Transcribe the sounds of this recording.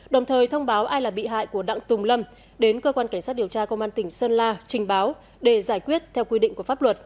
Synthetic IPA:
ɗə˨˩wŋ͡mt̪ʰəː˨˩jt̪ʰə˧wŋ͡mɓaː˨˦wʔaː˧jlaː˨˩ɓḭ˧˨ɦa̰ː˧˨jku˧˩əɗa̰ː˧˨ŋt̪ʊ˨˩ŋ͡mlə˧m | ɗe˨˦nkəː˧kwaː˧nka˧˩ŋsaː˦˥t̚i˨˩əwt͡ɕaː˧kə˧wŋ͡mʔaː˧nt̪ï˧˩ŋ̟səː˧nlaː˧t͡ɕï˨˩ŋ̟ɓaː˨˦w | ɗe˧˩zaː˧˩jkwi˦˥ət̚t̪ʰɛ˧wkwi˧ɗḭ˧˨ŋ̟ku˧˩əfaː˦˥p̚lwə˨˩t̚

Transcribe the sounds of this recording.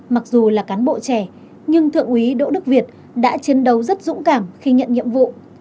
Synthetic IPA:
ma˨˩k̚zu˨˩laː˨˩kaː˨˦nɓo̰˧˨t͡ɕɛ˧˩ | ɲɨ˧ŋt̪ʰɨ̰˧˨əŋʔi˨˦ɗo̰˧˨ɗɨ˦˥k̚vi˨˩ət̚ | ɗa̰ː˧˥t͡ɕi˨˧ənɗə˨˦wzə˦˥t̚zʊ̰˧˥ŋ͡mkaː˧˩mxi˧ɲə̰˧˨nɲḭ˧˨əmvṵ˧˨

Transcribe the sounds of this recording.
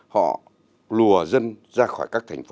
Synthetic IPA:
hɔ̰˧˨ | lu˨˩əzə˧nzaː˧xɔː˧˩jkaː˦˥k̚t̪ʰɛ˨˩ŋ̟f

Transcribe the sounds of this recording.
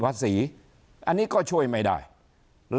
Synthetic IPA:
vaː˧˥si˨˦ | ʔa˧ni˦˥kɔ˧t͡ɕu˧˩ə˨jma˨˩jɗa̰ː˧˩j | l

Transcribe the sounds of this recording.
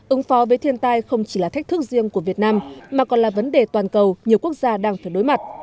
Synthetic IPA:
ʔɨ˨˦ŋfɔ˨˦vəː˨˦jt̪ʰi˧ənt̪aː˧jxə˧wŋ͡mt͡ɕi̥˧˩laː˨˩ɛ˦˥k̟̚t̪ɨ˦˥k̚zi˧əŋku˧˩vi˨˩ət̚naː˧mmːaː˨˩kɔ˨˩nlaː˨˩və˨˦nɗe˨˩t̪waː˨˩nkə˨˩wɲi˨˩əwku˦˥ək̚zaː˧ɗaː˧ŋfaː˧˩jɗo˨˦jma˨˩t̚

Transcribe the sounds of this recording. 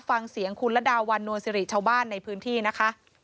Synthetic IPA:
fa˧ŋsi˩˦əŋkʰu˧nlɛ˦˥daː˧wa˧nːu˧ənsi˧ɾi˨˩t͡ɕʰaː˧wbaː˥˩nːa˧jpʰɯː˦˥nt̪ʰiː˥˩na˦˥kʰa˦˥ʔ

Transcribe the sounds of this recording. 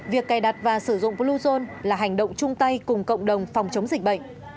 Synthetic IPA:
vi˨˩əkːaː˨˩jɗa˨˩t̚vaː˨˩sɨ˧˩zʊ̰˧˨ŋ͡mplu˧zo˧nlaː˨˩ɦa˨˩jŋ̟ɗə̰˧˨wŋ͡mt͡ɕʊ˧ŋ͡mt̪a˧jkʊ˨˩ŋ͡mkə̰˧˨wŋ͡mɗə˨˩wŋ͡mfa˨˩wŋ͡mt͡ɕə˨˦wŋ͡mzï˨˩k̟̚ɓə̰˧˨ŋ̟ʔ

